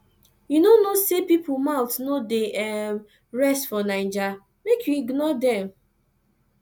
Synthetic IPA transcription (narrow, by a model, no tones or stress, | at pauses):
junonosepipʰumawtnodeɛ | ɹɛstfɔnãɪ̃nd͡ʒa | mekʰjuiɡnɔdɛ̃m